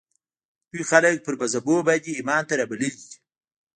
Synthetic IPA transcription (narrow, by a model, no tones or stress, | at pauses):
t̪ujxalək̚pəɾbazabobad̪iːmɑːnt̪aɾabaləli